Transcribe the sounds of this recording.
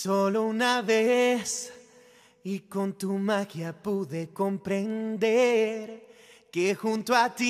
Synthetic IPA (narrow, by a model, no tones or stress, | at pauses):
solounaβes | iko̞nt̪umaxjapuðeko̞mpɾend̪eɾkexunt̪oat̪i